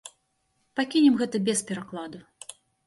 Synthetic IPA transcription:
pakʲinʲɛmɣɛt̪ɐbʲɛspʲɛɾaklˠad̪u

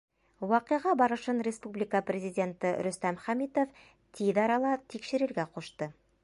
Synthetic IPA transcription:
wɑqɤ̆ʁɑbɑɾɤ̆ʃɤnɾʲɪspublʲɪkəprʲɪzʲidʲe̞nt̪ɤɾɵ̆st̪æmχæmit̪of | t̪ʰiðɑɾɑlˠɑt̪ikʃɘ̆ɾɘ̆ɾɡæquʃt̪ɤ

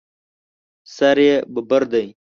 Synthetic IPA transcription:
sɐɾjebəbəɾd̪əj

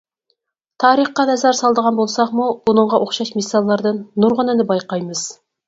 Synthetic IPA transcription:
t̪ʰɑɾiχqɑnɛzɑɾsɑlˠd̪əʁɑnbolˠsɑqmuunə̆ɴʁɑʔoχʃɑʃmisːɑlˠːɑɾd̪ɤnːuɾʁə̆nænɪbɑjqɑjməz̥

